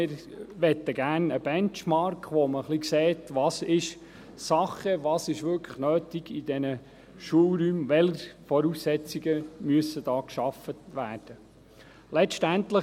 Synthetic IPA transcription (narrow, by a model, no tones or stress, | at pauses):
ɪːɾ | ʋɛt̪ːəɡæːrnəb̥ɛnt͡ʃmɑɾkʰʋɔməχlikseːtʋɑːsɪʃ | sɑχəʋɑːsɪʃʋʏɾkʰə̥nøːtiɡ̥id̥ɛnə | ʃuəwɾyːmʋɛləfɔɾusːɛt͡siɡəmyəsːəd̥ɑːkʃɑfətʋæːrd̥ə | lɛʃtænt̪lə